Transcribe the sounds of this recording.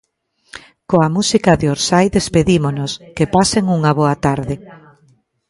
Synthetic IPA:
koamusikɐðeoɾsajðespeðimonoskepaseŋuŋaβoɐt̪aɾðɪ

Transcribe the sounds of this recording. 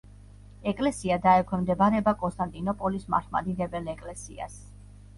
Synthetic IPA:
ɛkʼlɛsiad̪aɛkʷʰwɛmd̪ɛbaɾɛbakʼɔnst̪ʼant̪ʼinɔpʼɔlisma̰ɾt̪ʰma̰d̪iʁɛbɛlɛkʼlɛsḭa̰s

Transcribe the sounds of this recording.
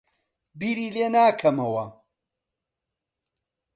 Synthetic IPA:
biːɾiːleːnaːkʰɐmɐwɐ

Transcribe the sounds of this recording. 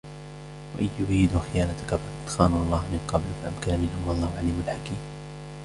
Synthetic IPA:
wa̰ʔɪjːʊɾiːd̪uxɪjaːnat̪akafaqɑd̪xɑːnuʔɑlˤːɑːhmɪnqɑblfaʔamkanamɪnhʊmwɑlˤːɑːhʊʕaliːmalħakiːm

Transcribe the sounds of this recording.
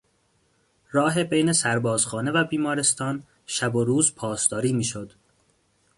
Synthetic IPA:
ɾɒːɦe̞bejne̞sæɾbɒːz̥xɒːne̞væbiːmɒːɾe̞st̪ɒːn | ʃæboɾuːzpʰɒːsd̪ɒːɾiːmiːʃod̪̥

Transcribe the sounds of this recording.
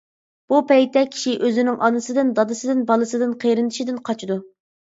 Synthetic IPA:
b̥upɛjt̪ʰːɛkʲʰi̥ʃiʔøzɪnɪŋʔɑnɨsɨd̪ɨnd̪ɑd̪ɨsɨd̪ɨnbɑlˠɨsɨd̪ɨnqʰejɾɪnd̪ɪʃid̪ɪnqʰɑt͡ʃʰid̪u

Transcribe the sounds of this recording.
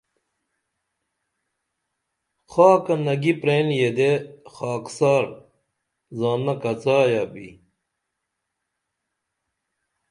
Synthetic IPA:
xaːkɐnɐɡipɾeːnjed̪exaːksaːɾ | zaːnːɐkɐt͡saːjabḭ

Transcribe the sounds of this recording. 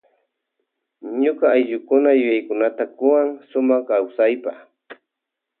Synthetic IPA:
ɲokɑːjʎʊkʊnajʊjajkʊnat̪akʊwaŋsʊmaχkawsajpaχ

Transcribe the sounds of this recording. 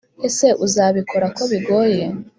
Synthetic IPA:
ese̞ʔuzaβikʰo̞ɾako̞βiɡo̞ːje

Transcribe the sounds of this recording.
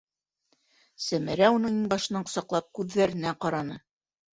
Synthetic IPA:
sæmɘ̆ɾæunɤɴiŋbɑʃɤ̆nɑɴqŏ̥sɑqlˠɑp̚kʉðːæɾɘ̆næqɑɾɑnɤ

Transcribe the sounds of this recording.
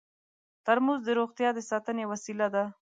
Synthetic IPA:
t̪aɾmuzd̪əɾoɣt̪jɑd̪əsɑt̪ənewasilad̪a

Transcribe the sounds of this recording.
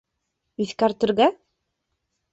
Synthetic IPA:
iθkæɾt̪ɘ̆ɾɣæ

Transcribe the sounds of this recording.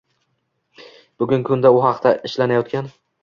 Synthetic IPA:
b̥ʊɡʲʊŋkʰʊnd̪aʊɦɑqt̪ʰaɪʃlanajɒt̪̚kʲan

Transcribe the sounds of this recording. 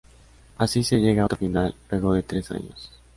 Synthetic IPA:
asise̞ʝe̞ɣaot̪ofinalːwe̞ɣo̞ðe̞t̪ɾe̞sa̰ɲo̰s

